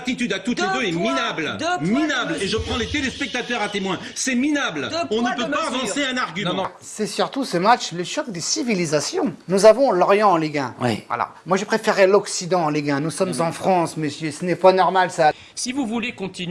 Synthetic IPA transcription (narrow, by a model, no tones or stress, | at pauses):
t̪it̪yd̪at̪ut̪edøɛminablminableʒəpχɑ̃let̪elespɛk̚t̪at̪œʁat̪emwɛ̃ | sɛminablɔ̃nəpøppaːvɑ̃seɛ̃naʁɡʲymɑ̃ | sɛsyʁt̪usəmat͡ʃləʃɔkd̪esivilizasjɔ̃nuzavɔ̃lɔʁjɑ̃ɑ̃liɡɛ̃wa̰la̰mwaʒəpχefeʁɛlɔksid̪ɑ̃ːliɡɛ̃nusɔmzɑ̃fχɑ̃sməsjøsənɛpanɔʁmalsa | sivuvulekɔ̃t̪in